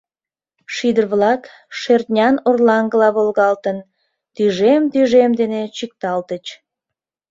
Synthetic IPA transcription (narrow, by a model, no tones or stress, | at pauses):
ʃid̪ərβlɑk | ʃert̪ʲnʲɑnorlɑŋɡəlɑβolɣɑlt̪ən | t̪yʒemt̪yʒemd̪enet͡ɕik̚t̪ɑlt̪ət͡ɕ